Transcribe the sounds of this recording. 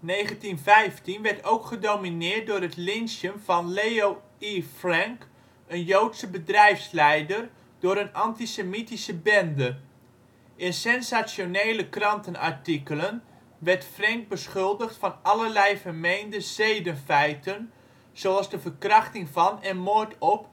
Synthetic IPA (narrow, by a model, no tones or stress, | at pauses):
nejχəntinvɛjftinʋɛɹtowkχədowminɪːt̚dʊːɾətlɪnsjənv̥ɑnlejo | ifrɛŋk | ənjowtsəbədrɛjfslɛjdər | d̥ʊːɾənɑntisemitisəbɛndə | ʔɪnsɛnsasjonejləkrɑntənɑ̰ɹtikələn | ʋɛɹtfrɛŋk̚bəsχɵlˠdəχtfɑnɑləɹlɛjfəɹmejndəzejdənfɛjtən | z̥oɑlˠzdəvərkrɑχtɪŋvɑnɛnmotɔp